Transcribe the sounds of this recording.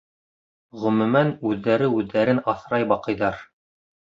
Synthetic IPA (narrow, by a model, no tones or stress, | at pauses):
ʁɵ̆mɵ̆mænʉðːæɾɘʉðːæɾɘnɑθɾɑjbɑqɤ̆jðɑɾ